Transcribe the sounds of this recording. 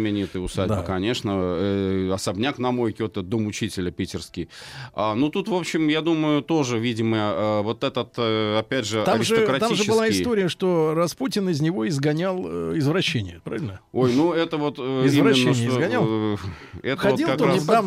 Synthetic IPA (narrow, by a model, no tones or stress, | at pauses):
mʲɪnʲit̪ɨʊsad̪bəkɐnʲe̞ʂnə | ɐsɐbnʲaknɐmo̞jkʲot̪əd̪omʊt͡ɕitʲɪlʲəpʲitʲɪrskʲɪjanut̪ut̪vo̞pɕːɪmjad̪uməjʊt̪o̞ʐɨvʲidʲɪməjəəvo̞t̪ɛt̪ət̪ɐpʲædʲʐɨt̪aɐɾmɪsʐɨt̪kɾɐt̪miʐɨɪɨaɪst̪o̞ɾʲɪjəʂt̪o̞rɐsputʲɪnɪzʲnʲɪvo̞ɪzɡɐnʲalˠɪzvɾɐɕːenʲɪjəpɾavʲɪlʲnəojnuɛt̪əvo̞t̪ɪzimɪnnːəʂt̪ozɡɐnnʲal | ɛt̪əxɐd̪ilkɐkt̪oaɪam